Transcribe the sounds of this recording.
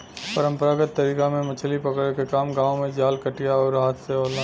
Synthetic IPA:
pəɾə̃mpəɾaɡət̪ːəɾiːkamẽmɐt͡ʃʰlipɐkɽekekaːmɡãːomẽd͡ʒaːlkəʈijaɔːɾaːt̪ʰseɔːla

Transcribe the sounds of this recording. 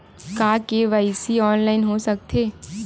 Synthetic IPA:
kaːkeʋaːɪsiɔːnlaːɪnɦosɐk̚t̪ʰeː

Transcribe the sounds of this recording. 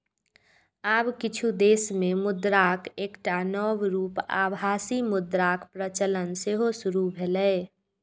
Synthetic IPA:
aːbkɪt͡ʃʰud̪eːsmemʊd̪ɾakekʈanɔwɾuːpa̰bʱaːsimʊd̪ɾakpɾət͡ʃələnseɦosʊɾubʱelə

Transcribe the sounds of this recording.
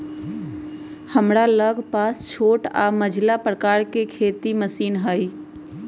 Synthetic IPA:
həmɾaləɡʱpast͡ʃʰoʈa̰məd͡ʒʱlapɾəkaɾkekʰet̪iməsiːnɦəj

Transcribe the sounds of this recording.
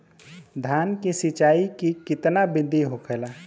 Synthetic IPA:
d̪ʱjaːnkisɪt͡ʃaːikikɪt̪nabɪ̃nd̪ʱiɦokʰɛla

